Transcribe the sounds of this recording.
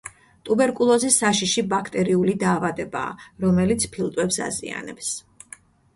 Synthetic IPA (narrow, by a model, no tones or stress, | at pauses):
t̪ʼubɛɾkʼulˠɔzisːaʃiʃibakʰt̪ʼɛɾiulid̪aːvad̪ɛba̰ːɾɔmɛlit̪sʰpʰilˠt̪ʼwɛpsa̰zḭa̰nɛ̰ps